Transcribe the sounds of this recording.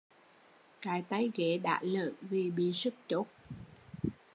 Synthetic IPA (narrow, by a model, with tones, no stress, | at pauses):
kaː˨˩jt̪a˨˦jɣe˧˩˦ɗa̰ː˧˩lə̰ː˧˨nvi˨˩ɓi˧˦ənsɨ˦˥k̚t͡ɕo˦˥t̚